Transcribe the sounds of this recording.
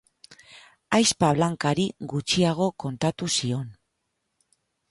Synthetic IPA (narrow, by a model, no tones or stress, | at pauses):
ajspaβ̞laŋkaɾiɣut͡ʃiaɣ̞o̞ko̞nt̪at̪usio̞n